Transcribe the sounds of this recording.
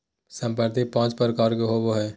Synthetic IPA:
sɐ̃mpəɾt̪ipãːt͡ʃpəɾkaːɾkeɦoboɦɛː

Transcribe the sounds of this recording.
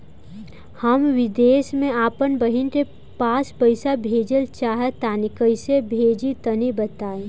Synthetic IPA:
həmʋɪd̪eːsmẽaːpənbəɦɪnɾe | paːspəɪsabʱeːd͡ʒəlt͡ʃaːɦət̪aːnikəɪsebʱeːd͡ʒit̪ənibət̪aːe

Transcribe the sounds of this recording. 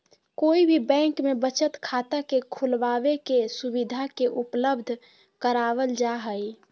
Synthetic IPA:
koibʱibɛ̃ŋkmebət͡ʃət̪kʰat̪akekʰulʋabekesubid̪ʱakeʔupləbd̪ʱ | kəɾaʋəld͡ʒaɦəj

